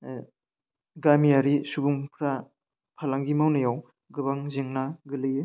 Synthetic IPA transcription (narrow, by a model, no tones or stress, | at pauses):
ɡamiaɾisubuŋpʰɾa | pʰalaŋɡimawnajaw | ɡɯbaŋziŋnaɡɯlɯjɯ